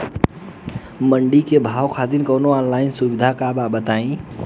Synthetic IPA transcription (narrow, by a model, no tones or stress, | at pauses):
məɳɖikebʱawkʰad̪inkəwnoɔnlaɪnsubid̪ʱakababət̪aĩ